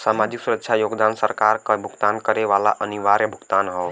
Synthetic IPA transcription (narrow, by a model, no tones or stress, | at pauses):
saːmaːd͡ʒɪksuɾəkʃʰajoːɡd̪aːnsəɾkaːɾkəbʱʊɡt̪aːnkəɾeʋaːla̰ʔəniʋaːɾjəbʱʊɡt̪aːnɦɔː